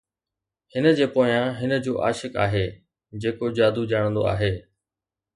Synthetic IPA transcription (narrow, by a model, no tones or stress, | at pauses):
hɪnəd͡ʑeːpoːjãɦɪnə̆d͡ʑoːʔa̰ːʃɪka̰ːɦeː | d͡ʑeːkod͡ʑaːd̪ud͡ʑaːɽ̃nd̪o̰a̰ːɦeː